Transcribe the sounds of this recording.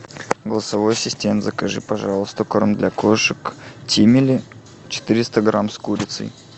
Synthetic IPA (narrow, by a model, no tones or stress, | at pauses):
ɡəlˠəsɐvojsʲɪsʲtʲent̪zəkɐʐɨpɐʐalˠəst̪ʊkoɾmd̪lʲakoʂɨktʲimʲɪlʲɪ | t͡ɕɪ̥t̪ɨɾʲɪst̪əɡɾamskuɾʲɪt̪sɨ̰j